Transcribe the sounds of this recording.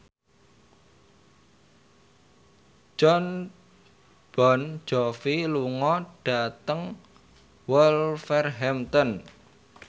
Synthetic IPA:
d͡ʒ̥ɔn | b̥ɔn̥d͡ʒ̥ɔfiluŋɔɖ̥a̤t̪əŋ | wɔlfɛrɦɛmt̪ɔn

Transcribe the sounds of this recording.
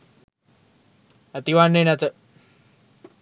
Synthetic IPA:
æt̪iʋanːenæt̪ə

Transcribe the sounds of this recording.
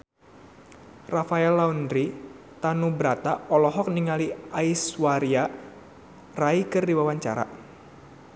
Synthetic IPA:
rafaɛlːaundɾi | t̪anubɾat̪aɔlɔɦɔk̚niŋaliaiswaɾia | raikɨrdiwawaɲt͡ʃa̰ɾa̰

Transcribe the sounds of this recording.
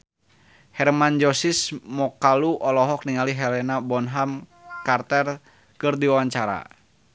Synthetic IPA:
hɛrmand͡ʒɔsismɔkaluʔɔlɔɦɔk̚niŋaliɦɛlɛnabɔnɦamkart̪ɛr | kɨrdiwawaɲt͡ʃaɾa̰

